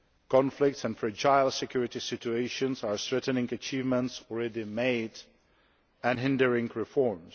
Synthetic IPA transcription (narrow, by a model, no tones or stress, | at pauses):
kʰɑ̃nflɪk̚tsə̃nfɹɛd͡ʒaɪlˠsɪkʰj̥uɹɪtisɪt͡ʃueɪʃə̃nzəɹsɹɛtnɪ̃ŋət͡ʃiːvmə̃ntsɔl̩ˠɹɛdimeɪd | ɨ̃nɦɪ̃ndəɹɪ̃ŋɹɪfɔɹms